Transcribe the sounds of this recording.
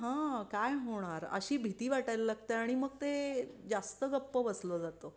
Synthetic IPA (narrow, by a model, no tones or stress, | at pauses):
ɦãkajɦoɽ̃aɾə̰ɕiːbʱit̪iːʋaʈajlalaɡ̚t̪eaɽ̃iməɡ̚t̪ed͡zast̪əɡəpːəbəslod͡zat̪o